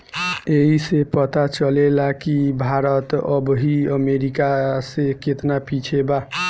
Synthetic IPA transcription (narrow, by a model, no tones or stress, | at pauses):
eɦisepət̪at͡ʃəlelakibʱaɾət̪əbɦiəmeɾikaseket̪napit͡ʃʰeba